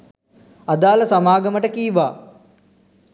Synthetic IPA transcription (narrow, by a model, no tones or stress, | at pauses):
ɐd̪aːlɐsɐmaːɡɐməʈəkiːʋa̰ː